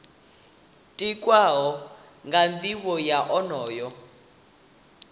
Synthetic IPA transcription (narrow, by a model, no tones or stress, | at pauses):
tʼikʼwaɦɔ | ŋɡand̪iwɔjaʔɔnɔːjɔ